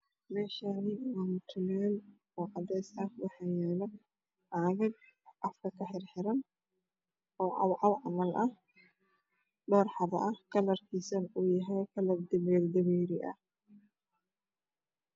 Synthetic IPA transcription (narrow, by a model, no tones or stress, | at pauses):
mɛːʃaːnɪwaːmʊt̪ʰʊnɛːl | ɔːʕɑd̪ɛjsɐːfwɑħɑjɛːlɐ | ʕaːɣɐɡʔɑfkʰɐkʰɐħɪrħɪɾɐn | ɔːʕɑ̰wʕɑwʕɑmɐlʔɐh | ɖɔːrħɑðɐ̰ʔɐhkʰɐlɐrkʰiːsɐnuːjɐɦɛjkʰɐlɐbd̪ɪβɛːɡd̪ɐβɛːɾɪʔɐ̰h